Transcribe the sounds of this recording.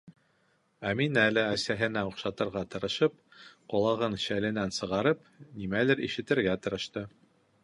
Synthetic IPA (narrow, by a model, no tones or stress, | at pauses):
æminælɘæsæɦɘ̆næuqʃɑt̪ɤ̆ɾʁɑt̪ɤ̆ɾɤ̆ʃɤp̚qŏlˠɑʁɤnʃælɘ̆nænsɤ̆ʁɑɾɤp | nimælɘɾḭʃɘ̆t̪ɘ̆ɾɡæt̪ɤ̆ɾɤ̆ʃt̪ɤ